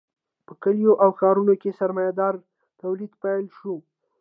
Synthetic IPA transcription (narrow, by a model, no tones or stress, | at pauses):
pəkəljoʔawxɑɾunokesaɾmɑjad̪ɑɾ | t̪awlid̪pajlʃu